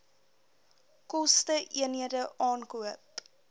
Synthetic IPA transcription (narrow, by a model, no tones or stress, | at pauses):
kɔstəʔiənɦiədəʔɑːnkuəp